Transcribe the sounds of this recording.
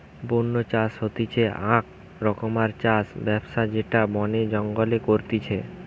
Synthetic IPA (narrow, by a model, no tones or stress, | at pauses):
bonːot͡ɕaʃɦot̪it͡ɕʰeãk | ɾɔkomaɾt͡ɕasbɛbʃad͡ʑeʈabɔned͡ʑɔŋɡolekoɾt̪it͡ɕʰe